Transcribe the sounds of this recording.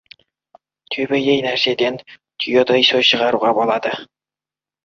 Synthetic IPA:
t̪ʰɵbejejnæɾsed̪en | t̪ʰyjod̪ɤjsoʃəʁɑɾuʁɑbolˠɑd̪ə

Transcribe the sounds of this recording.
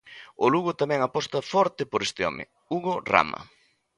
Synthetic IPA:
ʊluɣʊt̪amɛ̃ŋapɔst̪ɐfɔɾt̪ɪpoɾest̪ɪɔ̰mɪ̰ | uɣora̰mɐ̰

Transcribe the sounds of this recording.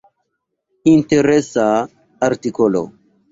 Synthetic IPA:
inteɾesaː | ɾtikolo̰

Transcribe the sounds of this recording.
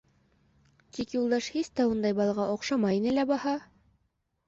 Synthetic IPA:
t̪ikjulˠd̪ɑʃhist̪æund̪ɑjbɑlˠɑʁɑʔoqʃɑmɑjinɘlæbɑhɑ

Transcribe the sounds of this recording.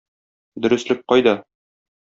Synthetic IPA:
d̪ɵ̆ɾɘ̆slɘk̚qɒjd̪ɑ

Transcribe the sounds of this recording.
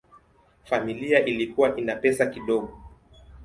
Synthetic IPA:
familiaʔilikuwaʔinapɛsakiɗɔɠɔ

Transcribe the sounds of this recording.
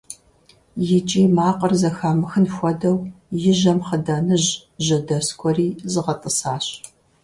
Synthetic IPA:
jɪt͡ʃʼiːmaːqʼɐrzɐxaːmɨxɨnxʷɔdɐwjɪʑɐmχədɐnɨʑ | ʒɐdɐskʷʰʼɔriːzɨʁɐtʼəsaːɕ

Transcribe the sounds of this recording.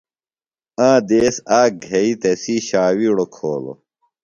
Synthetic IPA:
ãːd̪eːsaːk̚ɡʱeit̪esiɕaːwiɽokʰoːlo̰

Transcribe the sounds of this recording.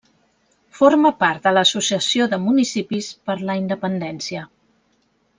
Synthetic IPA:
foɾməpaɾt̪̚d̪ələːsusiəsioðəmunisipispəɾləind̪əpənd̪ɛnsiə

